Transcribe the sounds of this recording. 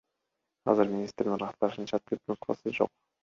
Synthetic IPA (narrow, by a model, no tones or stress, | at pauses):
ɑ̰zɨɾmʲinʲist̪ɾinɾɑst̪ɑɾʃɯnt͡ʃʰɑt̪̚t̪ʰip̚t̪unslˠɑ̰sɯzd͡ʒo̞̰q̚